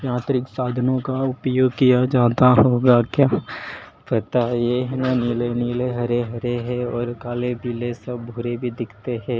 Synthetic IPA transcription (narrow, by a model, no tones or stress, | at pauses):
jãːt̪ɾɪksaːd̪ʱənõkaʊpjoːɡkijad͡ʒaːt̪aɦoːɡakjaː | pɐt̪ajeɦnanilenileɦɐɾeɦɐɾeɦɛɔːɾkaːlebiːlesɐbbʱuːɾebʱid̪ɪkʰt̪eɦɛ̃ː